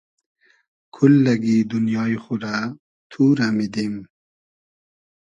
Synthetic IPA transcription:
kʰulːɐɡid̪unjɑːixuɾa | t̪ʰuːɾamid̪im

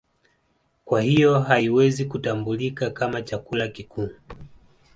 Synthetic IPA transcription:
kwahijɔɦaiwɛzikutambulikakamat͡ʃakulakikʰuː

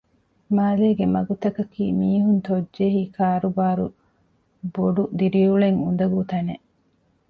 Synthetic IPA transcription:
maːleːɡemɐɡut̪ɐkɐkiːmiːɦunt̪od͡ʒːeɦiːkʰaːɾubaːɾṵ | boɖud̪iɾiuɭeŋund̪ɐɡut̪ɐneʔ

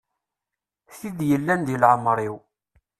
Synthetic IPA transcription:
θiðjəlːænd̪ilʕəmːɾˤiw

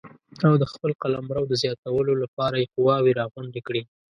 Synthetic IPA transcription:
awd̪əxpəlqalamɾawd̪əzjɑt̪awəlolapɑɾajeqʊwɑwiɾɑɣwʊɳd̪ekɽi

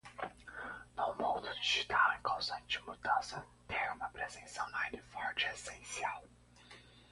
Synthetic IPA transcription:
nõw̃mõwd̪ʊd͡ʒiʒit̪awẽŋkʰõwzɐ̃nt͡ʃɪmud̪ɐ̃sɐ | t̪ʰeɾũmɐpɾezẽnsɐ̃w̃najnɪfɔɾd͡ʒiesẽsiaw

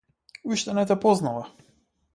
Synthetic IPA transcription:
uʃt̪ɛnɛt̪ɛpɔznava

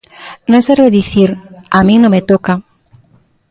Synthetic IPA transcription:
nõŋsɛɾβeðiθiɾamĩŋnõmet̪oka

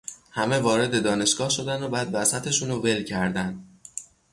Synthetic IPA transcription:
hæme̞vɒːɾe̞d̪e̞d̪ɒːne̞ʃɡ̥ɒːhʃo̞d̪ænd̪obæːd̪væsæt̪ʰe̞ʃuːnove̞lcʰæɾd̪ænd̪̥

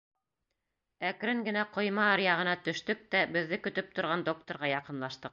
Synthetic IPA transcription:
ækɾɘŋɡɘ̆næqŏjmɑːɾjɑʁɤ̆nɑt̪ɵ̆ʃt̪ɵk̚t̪æbɘ̆ðːɘkɵ̆t̪ɵp̚t̪ŏɾʁɑnd̪o̞k̚t̪oɾʁɑjɑqɤ̆nlˠɑʃt̪ɤq̚

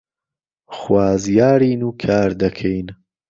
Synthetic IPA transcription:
χwaːzjaːɾiːnuːkʰaːɾd̪ɐkʰejn

